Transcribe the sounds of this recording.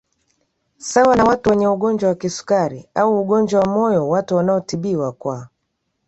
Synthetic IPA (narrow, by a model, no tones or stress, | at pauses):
sawanawatuwɛɲɛuɠɔnd͡ʒwawakisu̥kaɾiauːɠɔnd͡ʒwawamɔjɔwatuwanaɔtiɓiwakwa